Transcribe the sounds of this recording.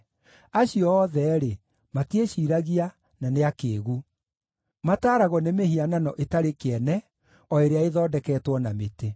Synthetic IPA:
aɕiɔːðɛɾe | mateɕiːɾaɣia | naneakeːɣu | mataːɾaɣɔnemeɦiananɔʔetaɾekeɛnɛ | ɔeɾeaeðɔːdɛkɛːtwɔnamete

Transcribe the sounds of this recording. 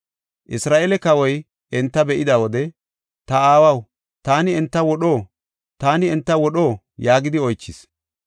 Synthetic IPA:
ʔɪsɾaːʔɛlɛkɐwɔj | ʔɛnt̪ːɐbɛʔɪd̪ɐwɔd̪ɛ | t̪ɐaːwɐw | t̪aːnɪɛnt̪ːɐwɔɗo̞ː | t̪aːnɪɛnt̪ːɐwɔɗo̞ː | jaːɡɪd̪ɪɔjt͡ʃːɪs

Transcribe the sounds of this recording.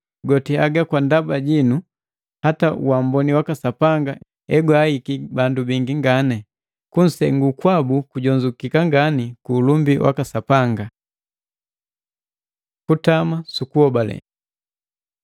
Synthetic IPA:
ɡɔtiaɡakwandabaɟinu | hataṵwambɔniwakasapaŋɡa | ɛɡwaikibandubiŋɡiŋɡanɛ | kun̩sɛŋɡukwabukuɟɔɲd͡ʒukikaŋɡanikuːlumbiwʔa̰kasapaŋɡa | kutamasukuhɔbalɛ̰

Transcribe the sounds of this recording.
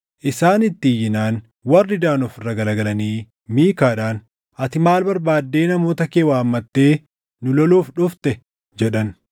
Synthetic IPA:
ʔɪsaːnɪt̪ːiːjːɪnaːn | wɐrːɪd̪aːnɔfɪrːɐɡɐlɐɡɐlɐniː | miːkaːᶑaːn | ɐt̪ɪmaːlbɐɾbaːd̪ːe̞ːnɐmo̞ːt̪ɐkeːwaːmːɐt̪ːe̞ː | nʊlɔloːfᶑʊft̪ɛ | d͡ʒɛᶑɐn

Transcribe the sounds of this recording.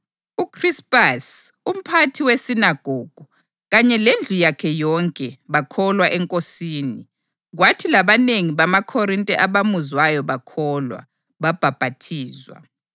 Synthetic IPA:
ukʰrispʼasum̩pʰatʰiwesinaɡ̥ʱoːɡ̥ʱu | ɣaɲɛlend͡ɮʱujakʰɛjɔŋkʼɛβakʰɔlwaʔɛŋkʼosiːni | ɣwatʰilaβaneŋiβamakʰɔrintʼɛʔaβamuzwajɔβakʰɔlwa̰ | βab̥ʱab̥ʱatʰiːzwa̰

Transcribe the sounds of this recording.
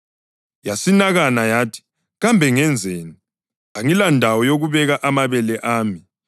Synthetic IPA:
jasinaɣanajaːtʰi̥ | ɣambʱɛŋɛnd͡zʱeːni | aŋilandʱawɔjoɣuβɛɣaʔamaβɛlɛʔaːmi

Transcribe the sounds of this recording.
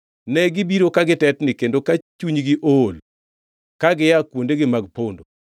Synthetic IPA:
nɛɡɪbiɾokaɡɪtɛtnɪkendokat͡ʃuɲɡɪʔol | kaɡɪjakwondeɡɪmaɡpondo

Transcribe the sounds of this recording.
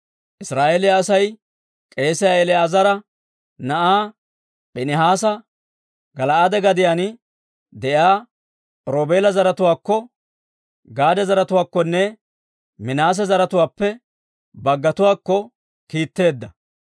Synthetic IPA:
ʔɪsɾaːʔeːlɪːsɐj | kʼe̞ːsɛjaɛlɛazɐɾɐ | nɐʔaː | ɓɛnɪɦaːs̬ɐ | ɡɐlɐʔad̪ɛɡɐd̪ɪjanɪ | d̪ɛjaː | ɾoːbeːlɐzɐɾɐt̪ʊwaːkːɔ | ɡaːd̪ɛzɐɾɐt̪ʊwaːkːɔnːɛ | mɪnaːs̬ɛzɐɾɐt̪ʊwaːpːɛ | bɐɡːɐt̪ʊwaːkːɔ | kiːt̪ːe̞ːd̪ːɐ

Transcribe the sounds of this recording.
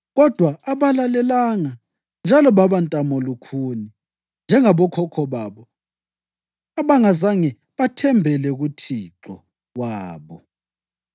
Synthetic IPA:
ɣɔd̥ʱwaːβalalɛlaŋa | nd͡ʒʱalɔβaβantʼamɔlukʰuni | nd͡ʒʱɛŋaβɔkʰɔkʰɔβaːβɔ | aβaŋazaŋɛ | βatʰɛmbʱɛlɛɣutʰiǁɔ | ɣwaːβɔ

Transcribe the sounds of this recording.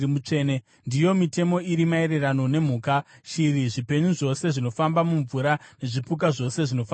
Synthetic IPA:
ut͡ʂeːne | ndijo̞mite̞mo̞iɾimae̞ɾe̞rano̞ne̞m̤uːkaʃiriʐipe̞ɲuʐo̞se̞ʐino̞fambamuɱvuɾane̞ʐipuk̬aʐo̞se̞ʐino̞fa

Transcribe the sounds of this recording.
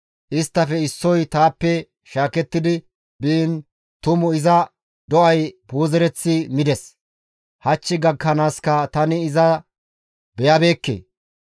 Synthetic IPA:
ʔɪst̪ːɐfɛɪsːɔjt̪aːpːɛ | ʃaːkɛt̪ːɪd̪ɪ | biːn | t̪ʊmʊɪzɐ | d̪ɔʔɐjboːzɛɾɛt͡sːɪmɪd̪ɛs | hɐt͡ʃːɪɡɐɡːɐnaːskɐt̪ɐnɪːzɐ | bɛjɐbe̞ːkːḛː

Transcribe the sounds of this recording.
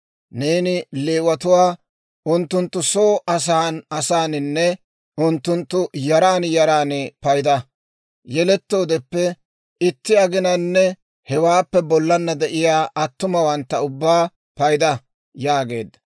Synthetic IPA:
neːnɪleːwɐt̪ʊwaː | ʔʊnt̪ːʊnt̪ːʊso̞ːʔɐs̬aːnɐsaːnɪnːɛ | ʊnt̪ːʊnt̪ːʊjɐɾaːnjɐɾaːnɪpɐjd̪ɐ | jɛlɛt̪ːo̞ːd̪ɛpːɛ | ɪt̪ːɪɐɡɪnɐnːɛ | hɛwaːpːɛbɔlːɐnːɐd̪ɛʔɪjaːʔɐt̪ːʊmɐwɐnt̪ːɐʊbːaː | pɐjd̪ɐ | jaːɡe̞̰ːd̪ːɐ̥

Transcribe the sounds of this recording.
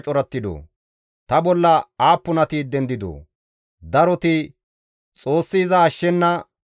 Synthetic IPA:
t͡ʃʼɔɾɐt̪ːɪd̪o̰ː | t̪ɐbɔlːɐaːpːʊnɐt̪iːd̪ɛnd̪ɪd̪o̰ː | d̪ɐɾɔt̪ɪ | t͡sʼo̞ːsːɪːzɐːʃːɛnːɐ

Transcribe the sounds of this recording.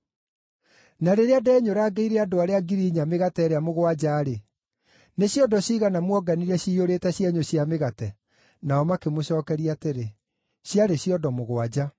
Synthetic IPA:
naɾeɾeadɛːɲoɾaːɡeiɾɛadoaɾeaɡiɾiːɲameɣatɛːɾeamoɣowad͡ʑaːɾe | neɕjɔdɔɕiːɣanamwɔɡaniɾɛɕiːoɾetɛɕjɛɲoɕjameɣatɛ | naɔmakemoɕɔːkɛɾiateɾe | ɕjaɾeɕiɔdɔmoɣwad͡ʑa

